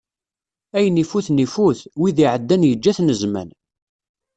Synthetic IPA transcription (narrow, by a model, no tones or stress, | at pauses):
æjənifuθnifuθwiðiʕəd̪ːænjəd͡ʒːæθnəzmæ̰n